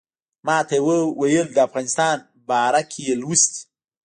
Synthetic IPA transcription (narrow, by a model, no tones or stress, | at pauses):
mɑːt̪ajwəwajəld̪əafɣɑnɪst̪ɑn | bɑːɾakʰejelwust̪